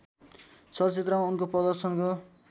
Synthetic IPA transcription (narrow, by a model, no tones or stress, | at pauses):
sʌt͡set̪rʌmaunkoprʌd̪ʌrsʌnko